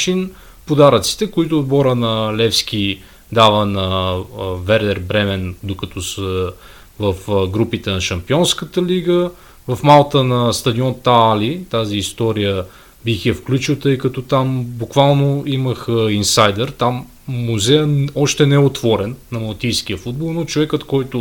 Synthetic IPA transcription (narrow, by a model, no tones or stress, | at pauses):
t͡ʃin | pod̪aɾət̪si̥t̪ɛkoit̪ʊːd̪̚bɔɾənɐlɛfsk̟ʲi | d̪avənɐ | vɛɾd̪ɛɾbɾɛmɛnd̪okɐt̪ɔsə | vɐfɡɾupit̪ɛnɐʃɐmpiɔnskət̪əliɡə | vɐfmalˠt̪ənɐst̪ɐd̪iɔnt̪aalit̪aziːst̪ɔɾijə | bixjɛfklʲut͡ʃilˠt̪ɤjkɐt̪ɔt̪ambukvalˠnoiməxəinsajd̪ɛɾt̪amː | uzɛjəɔʃt̪ɛnɛɛot̪vɔɾɛnːɐmɐlˠt̪ijskʲijəfud̪̚bolˠnot͡ʃovɛkət̪kɔjt̪ʊ